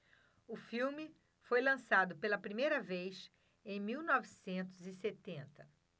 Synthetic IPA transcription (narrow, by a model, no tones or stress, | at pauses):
ʊfiwmɪ | fojlɐ̃sad̪ʊpelɐpɾimejɾɐvejs | ẽj̃miwnɔvisẽnt̪ʊzɪset̪ẽnt̪ɐ